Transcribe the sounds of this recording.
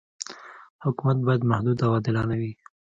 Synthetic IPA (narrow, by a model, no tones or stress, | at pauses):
hʊkumat̪̚bɑjad̪mahd̪ud̪awɑd̪ɪlɑnawi